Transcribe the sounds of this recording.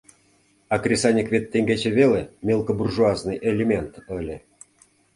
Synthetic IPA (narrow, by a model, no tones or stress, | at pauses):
ɑkrʲesanʲikvʲet̪ʲːeŋɡʲet͡ɕĕβʲelʲemʲelˠkoburʐuaznɨjʔelʲemʲent̪əlʲĕ